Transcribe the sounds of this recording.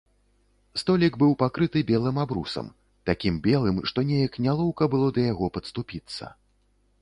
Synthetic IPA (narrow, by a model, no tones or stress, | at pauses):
st̪ɔlʲiɡbɨwpakɾɨt̪ɨbʲɛlˠɨmabɾṵsɐ̰m | t̪akʲimbʲɛlˠɨmʂt̪ɔnʲɛjɐknʲalˠɔwkɐbɨlˠɔd̪ɐjaɣɔpɐt̪st̪upʲit̪sːɐ̰